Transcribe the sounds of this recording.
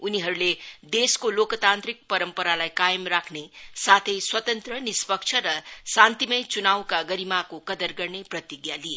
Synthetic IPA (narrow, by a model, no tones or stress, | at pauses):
uniɦʌɾuled̪eskolokt̪ant̪ɾik̚pʌɾʌmpʌɾalajkajʌmrakʰnesat̪ʰʌjswʌt̪ʌnt̪rʌnispʌk̚t͡ʃʰʌɾʌsant̪imʌjt͡sunawkaɡʌɾimakokʌd̪ʌrɡʌrneprʌt̪iɡjalie